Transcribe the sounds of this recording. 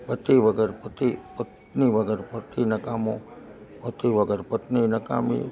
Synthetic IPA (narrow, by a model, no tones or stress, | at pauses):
pɐt̪iʋəɡəɾpɐt̪ipət̪niʋəɡəɾpət̪inɐkamo | pət̪iʋəɡəɾpət̪ninɐka̰mḭ